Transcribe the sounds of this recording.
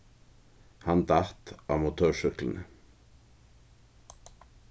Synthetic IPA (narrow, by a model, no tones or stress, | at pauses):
hɑnd̪ɑt̪ɑːmʊt̪ʰœːʃʏklənə